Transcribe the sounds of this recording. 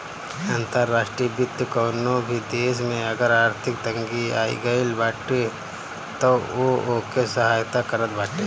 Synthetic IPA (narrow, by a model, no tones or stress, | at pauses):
ãːnt̪əɾːaːʃʈɾiːəbɪt̪jəkɔːnõbʱid̪eːs̬mẽɐɡəɾaːɾt̪ʰɪk̚t̪ə̃ŋɡia̰ːḭɡəilbaːʈe | t̪oookesəɦaːjt̪akəɾət̪̚baːʈe